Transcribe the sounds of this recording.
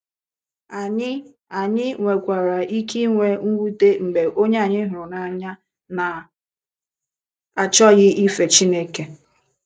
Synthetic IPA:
a˨ɲɪ˦ | a˨ɲɪ˦ŋʷe˨kʷa˨ɾa˨i˦ki˦ŋʷe˦ŋ̩˦ɡʷu˦te˦ŋ͡m̩˨ɡ͡be˨ʔo˦ɲe˦a˨ɲɪ˦ɦʊ˨ɾʊ˨na˨ɲa˦ | na˨ | a˨t͡ʃɔ˦ɣɪ˦ʔi˦fe˨t͡ʃi˦ne˦ke˨

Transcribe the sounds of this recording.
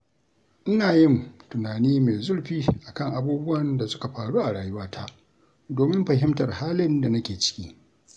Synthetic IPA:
ʔɪ˦naː˨jɪ˦˨mtʊ˨naː˨niː˦me˨zʊ˦ɽɸiː˦ʔa˨kɐ˦˨ŋʔa˨buː˦bʊ˦wɐ˨nda˨sʊ˦ka˨ɸaː˨ɽuː˦ʔa˨ɽaː˨jʊ˦waː˦tʰa˦ | doː˨mɪ˦mɸɐ˨ɦɪ˦mtɐ˨rhaː˦lɪ˦nda˨nɐ˦kʲeː˨t͡ʃɪ̥˦kʲḭː˦

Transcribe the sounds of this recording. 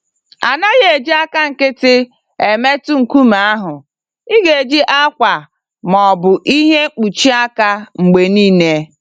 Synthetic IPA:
a˨na˦ɣe˨e˨d͡ʒi˦a˦ka˦ŋ̩˨kɪ˦tɪ˦ | e˨me˦tu˦ŋ̩˨ku˦ma˨a˦ɦʊ˨ | i˦ɡe˨e˨d͡ʒi˦ʔa˦kʷa˨ | mɔ˨bʊ˨ʔi˦ɦe˦k͡pu˨t͡ʃi˦a˦ka˦ŋ͡m̩˨ɡ͡be˨niː˦ne˦

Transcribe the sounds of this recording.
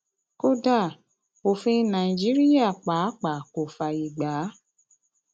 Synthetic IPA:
ko˦da˦˨ | o˨fĩ˧˦nã˨i˨d͡ʒi˨˦ɾi˦ja˦˨k͡pa˨˦k͡pa˨ko˨fa˨i˨ɡ͡ba˨˦

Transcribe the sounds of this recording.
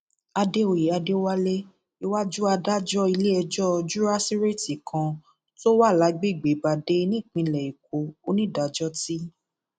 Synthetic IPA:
a˧de˦o˨je˨˦a˧de˦wa˦le˦ | i˧wa˦d͡ʒu˦a˧da˦d͡ʒɔ˦i˧le˦ɛ˧d͡ʒɔ˦˧d͡ʒu˦ɾa˦si˦ɾe˦˨ti˨kʰã˧ | to˦wa˦˨la˨˦ɡ͡be˦˨ɡ͡be˨˦ba˨de˨˦nĩ˦˨k͡pĩ˧˨lɛ˨i˨k̚o˨o˦nĩ˦˨da˨d͡ʒɔ˦ti˦

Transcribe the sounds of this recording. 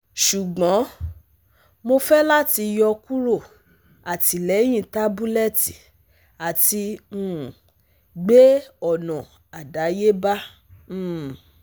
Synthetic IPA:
ʃu˨ɡ͡bɔ̃˨˦ | mo˧fɛ˦la˦ti˧jɔ˧ku˦ɾo˦˨ | a˨ti˨˦lɛ˨˦j̃ĩ˦˨ta˦bu˦lɛ˦ti˨ | a˨ti˧ũ˦˨ | ɡ͡be˦ɔ˨nɔ̃˨ | a˨da˨˦je˦bã˦˨

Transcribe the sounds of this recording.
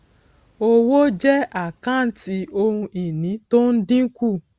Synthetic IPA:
o˦˧wo˦d͡ʒɛ˦a˦˨kã˦˨n̩˦ti˧˦o˧hũ˧i˨nĩ˨˦to˦n̩˦dĩ˦ku˦˨

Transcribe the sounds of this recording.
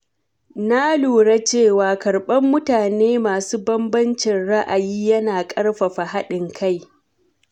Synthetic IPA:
na˦luː˨ɽa˦t͡ʃeː˦˨waː˨kɐ˨rɓɐ˦mːʊ˦taː˨neː˦maː˨suː˦bɐ˦mbɐ˦nt͡ʃɪ˨nɽa˦ʔa˨jiː˦jɐ˦naː˨kʼɐ˦ɽɸa˨ɸa˨ɦa˦ɗɪ˨ŋkʰa˦˨j

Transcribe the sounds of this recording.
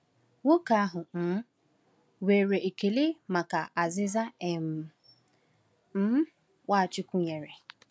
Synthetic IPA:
wo˦ka˨a˦ɦʊ˨n̩˨˦ | we˨ɾe˨e˨ke˨le˦ma˨ka˨a˨zɪ˦za˦e˨m̩˨ | m̩˦ | wʷa˦˨t͡ʃɪ˦kʷu˦ɲe˨ɾe˨

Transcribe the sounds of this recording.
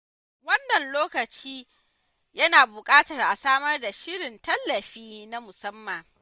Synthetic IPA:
wɐ˦nːɐ˨nloː˦kɐ˨t͡ʃiː˦ | jɐ˦naː˨bʊ˨kʼaː˦tɐ˨rʔa˨saː˦mɐ˦rda˨ʃɪ˦ɽɪ˨ntɐ˦lːɐ˨ɸiː˦na˦mʊ˨sɐ˦mːa˨ŋ

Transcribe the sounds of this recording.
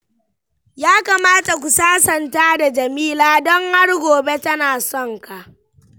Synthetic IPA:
jaː˦ka˨maː˦ta˨kʷu˨saː˦sɐ˨ntaː˦da˨d͡ʒɐ˨miː˦laː˦dɔ˦ŋha˦ɽɡʷoː˨be˦tɐ˦naː˨sɔ˦ŋka˨ʔ

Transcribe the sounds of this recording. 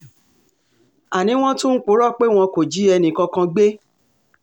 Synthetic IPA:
a˨nĩ˨˦w̃ɔ̃˦tũ˦n̩˦k͡po˨˦ɾɔ˦˨k͡pe˦w̃ɔ̃˧ko˨d͡ʒi˨˦ɛ˧nĩ˨kɔ̃˧kã˧ɡ͡be˦

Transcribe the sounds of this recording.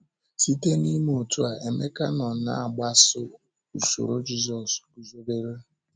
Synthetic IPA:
tʰi˦te˦ni˦m˨o˨tu˦a˨ʔe˨me˦ka˦nɔ˨na̰˦a˨ɡ͡ba˦sʊ˦ | u˨so̰˨ɾo˦d͡ʒi˦zɔ˨s | u˨zo˦be˦ɾe˦

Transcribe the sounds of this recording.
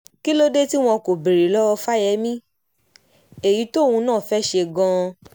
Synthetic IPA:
ki˦lo˦de˦ti˦w̃ɔ̃˧ko˨bi˨ɾi˨˦lɔ˦ɔ˧fa˦jɛ˧˦mĩ˦ | e˨ji˨˦to˦˨wũ˧nãː˦˨fɛ˦ʃe˧ɡɔ̃˧

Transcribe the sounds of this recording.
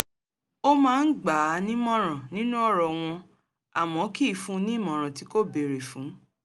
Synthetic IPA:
o˦mãː˦˧n̩˦ɡ͡ba˨˦nĩ˦mɔ̃˦ɾã˨nĩ˦nũ˦ɔ˦˨ɾɔ˨w̃ɔ̃˧ | a˨mɔ̃˨˦ki˦˨fũ˦˧nĩ˦mɔ̃˨ɾ̃ɔ̃˨ti˨˦ko˦be˨ɾe˨fũ˨˦

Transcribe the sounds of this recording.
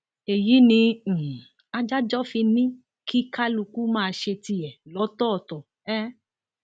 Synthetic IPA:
e˨ji˨˦nĩ˧˨ | a˧d͡ʒa˦d͡ʒɔ˦fi˧nĩ˦ | kʰi˦ka˦lu˧ku˦mãː˦˧ʃe˧ti˧jɛ˨lɔ˨˦tɔ˦ɔ˨tɔ˨ | ɛ˦

